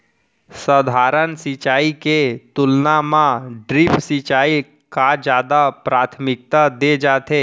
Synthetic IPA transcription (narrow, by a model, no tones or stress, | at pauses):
səd̪ʱaːɾənsit͡ʃaːiket̪ʊlnamãɖɾɪpʰsit͡ʃaːi | kad͡ʒjaːd̪apɾaːt̪ʰmɪk̚t̪ad̪ed͡ʒaːt̪eː